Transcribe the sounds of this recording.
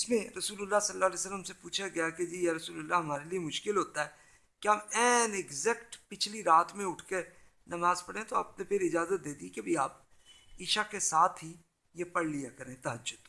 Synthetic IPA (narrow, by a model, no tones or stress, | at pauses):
ɪsmẽɾɐsuːlʊlːasɐlːaɦːleːsəlːəmsepuːt͡ʃʰaɡɐjaked͡ʒiːjeɾɐsuːləlːaɦɐmaːɾeliemʊʃkɪlɦoːt̪aɦɛ | keɦaːmɛːnɪɡzɛkʈpɪt͡ʃʰliɾaːt̪ʰmẽʊʈʰke | nɐmaːzpɐɽẽt̪oaːp̚nepʰɪɾɪd͡ʒaːzət̪̚d̪eːd̪ikebʱiaːp̚ | iːʃakesaːt̪ʰɦi | jepɐɽlijakɐɾẽt̪ɐɦəd͡ʒːʊd̪̥